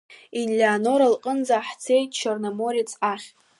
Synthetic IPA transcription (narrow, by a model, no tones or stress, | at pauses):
inlʲaːno̞ɾalqʼənd͡zaːħt͡sʰejtʼt͡ʃʰarnamo̞ɾit͡sʰaχʲ